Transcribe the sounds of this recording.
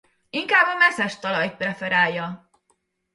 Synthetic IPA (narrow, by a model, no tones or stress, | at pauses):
iŋkaːbɒmɛsɛʃt̪ɒlɒjt̪̚prɛfɛɾaːjːɒ